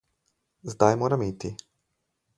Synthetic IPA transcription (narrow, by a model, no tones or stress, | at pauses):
zd̪ajmoːɾamiːt̪i